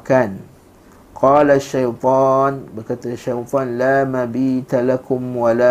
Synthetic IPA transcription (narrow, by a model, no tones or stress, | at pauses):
kan | qʰɑːlaʃːajt̪ˤɑːnbərkat̪aaʃajt̪ˤɑnlaːmabiːt̪alakʊmwala